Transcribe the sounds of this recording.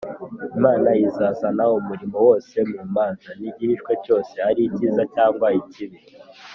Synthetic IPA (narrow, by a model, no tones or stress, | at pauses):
imaːnajizasanaumuɾimowo̞ːse̞muːmaːnzaniɟiɾiʃkwe̞co̞ːse̞haɾiciːzacaːŋɡwaiciβi